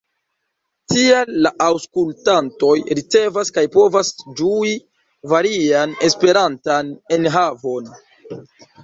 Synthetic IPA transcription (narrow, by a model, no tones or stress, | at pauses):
tialːaʔawskultanto̞jɾit͡se̞vaskajpo̞vasd͡ʒui | vaɾiane̞spe̞ɾantane̞nɦavo̞n